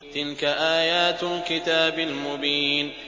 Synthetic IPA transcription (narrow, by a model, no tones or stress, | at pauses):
t̪ɪlkaʔaːjaːt̪lkɪt̪aːbalmʊbiːn